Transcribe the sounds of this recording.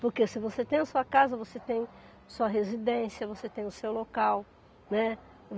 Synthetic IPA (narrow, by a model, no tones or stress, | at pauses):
poɾkesɪvoset̪ẽj̃ɐsuɐkazɐvoset̪ẽj̃ | ɐsuɐɦezid̪ẽsiɐvoset̪ẽj̃ʊsewlokaw | nɛ